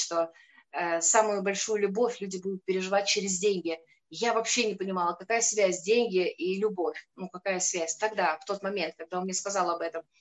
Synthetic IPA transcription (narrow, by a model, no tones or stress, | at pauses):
ʂt̪o̞ | əsamʊjʊbɐlʲʂujʊlʲʊbo̞fʲlʲudʲɪbud̪ʊt̪̚pʲɪɾʲɪʐɨvat̚ʲt͡ɕɪɾʲɪzʲdʲenʲɡʲɪ | javɐpɕːenʲɪpənʲɪmɑlˠəkɐkajəsvʲæzʲdʲenʲɡʲɪʔilʲʊbo̞fʲnukɐkajəsvʲæsʲt̪ɐɡd̪aft̪o̞t̪mɐmʲe̞nt̪̚kɐɡ̚d̪aomnʲɛskɐzɑlˠɐbɛt̪əm